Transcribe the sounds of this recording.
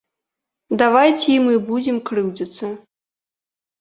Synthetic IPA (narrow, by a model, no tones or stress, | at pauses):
d̪avajt͡sʲimɨbud͡zʲɛmkɾɨwd͡zʲɐt̪sɐ